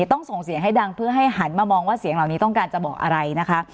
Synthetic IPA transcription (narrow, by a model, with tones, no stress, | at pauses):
t̪ɔ˥˩ŋso˨˩ŋsi˨˦əŋɦa˥˩jda˧ŋpʰɯ˥˩ɐɦa˥˩jɦa˩˦nmaː˧mɔː˧ŋwaː˥˩si˩˦əŋla˨˩wni˦˥t̪ɔ˥˩ŋkaː˧nt͡ɕa˨˩bɔː˨˩k̚ʔa̰˧ɾa˧jna˦˥kʰa˦˥